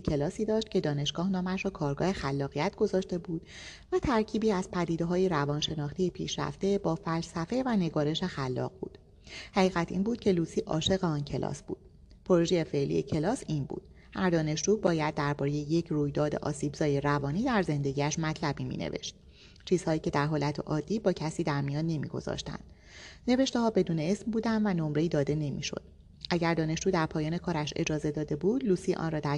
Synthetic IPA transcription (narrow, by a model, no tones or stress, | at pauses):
sicʰe̞lɒːsiːd̪ɒːʃt̪̚cʰe̞d̪ɒːne̞ʃɡ̥ɒːhnɒːmæʃɾɔːkʰɒːɾɡɒ̰ːhe̞xælːɒːɣijæt̪ʰɡ̥o̞zɒːʃt̪e̞buːd̪̥væt̪ʰæɾcʰiːbiːæzpʰæd̪iːd̪eɦɒːjeɾævɒːnʃe̞nɒːχt̪ʰejepʰḭːʃɾæ̰ft̪e̞bɒːfælsæfe̞væne̞ɡɒːɾe̞ʃe̞xælːɒ̰ːɣbṵːd̪̥ | hæʁiːɣæt̪ʰḭːnbuːd̪̥cʰe̞luːsiːʔɒ̰ːʃe̞ɣeɒːncʰe̞lɒ̰sb̥ṵːd̪̥ | pʰoɾoʒeje̞fe̞ʔlḭecʰe̞lɒːsiːnbṵːd̪̥ | hæɾd̪ɒːne̞ʃd͡ʒuːbɒːjæd̪̚ːæɾbɒːɾejeje̞cʰruːjd̪ɒːd̪ḛʔɒ̰ːsiːbzɒːjeɾævɒːniːd̪æɾze̞nd̪e̞ɡiːæʃmæt̪ʰlæbiːmḭːnḛve̞̰ʃt̪̚ | t͡ʃʰiːz̥hɒːjiːcʰe̞d̪æɾɦoːlæt̪ʰḛʔɒːd̪ːiːbɒːcʰæsiːd̪æɾmijɒːnːe̞mḭɡo̞̰z̥ɒ̰ːʃt̪æ̰nd̪̥ | ne̞ve̞ʃt̪ehɒːbe̞d̪uːne̞esmbuːd̪ænd̪væno̞mɾeiːd̪ɒːd̪e̞ne̞mḭːʃo̞̰d̪̥̚ | ʔæɟæɾd̪ɒːne̞ʃd͡ʒuːd̪æɾpʰɒːjɒːne̞kʰɒːɾæʃe̞̰d͡ʒɒːze̞d̪ɒːd̪e̞buːd̪̥luːsiːʔɒ̰nrɒːd̪æ